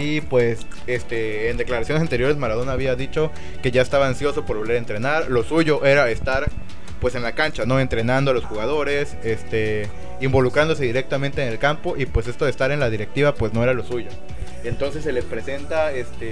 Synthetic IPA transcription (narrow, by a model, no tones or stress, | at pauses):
ipwes | est̪eːnd̪e̞klaɾasjones̬ant̪e̞ɾjo̞ɾe̞zmaɾað̞o̞naːβiaðit͡ʃo̞ | ke̞ʝaest̪aβaːnsjo̞so̞po̞ɾβoleɾe̞nt̪ɾe̞naɾlo̞suʝo̞ʔe̞ɾaest̪aɾ | pwe̞se̞nlakant͡ʃano̞e̞nt̪ɾe̞nãnd̪oalo̞sxuɣað̞o̞ɾe̞s | est̪e | imbo̞lukɾand̪ose̞ðiɾe̞k̚t̪amẽnt̪eːne̞lkampo̞ʔipwe̞s̬e̞st̪o̞ðest̪aɾe̞nlaðiɾe̞k̚t̪iβapwe̞sno̞e̞ɾalo̞suʝo̞ | e̞nt̪o̞nse̞s̬ːe̞le̞spɾe̞se̞nt̪aest̪e